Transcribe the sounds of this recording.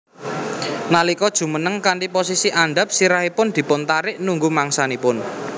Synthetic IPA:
nalikɔd̥ʒ̥ṳmənəŋkaɳʈiposisiʔaɳɖa̤p̚siɾaɦipʊnd̪̥i̤pʊnt̪aɾɪʔnuŋɡumaŋsanipʊn

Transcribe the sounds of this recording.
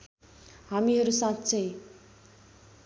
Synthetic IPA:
hamiɦʌɾusãt̪t͡sʰʌj̃

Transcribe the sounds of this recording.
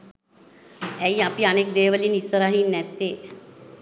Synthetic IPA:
ɛjapianek̚d̪eːʋəlinisːəɾaɦinːɛt̪ːeː

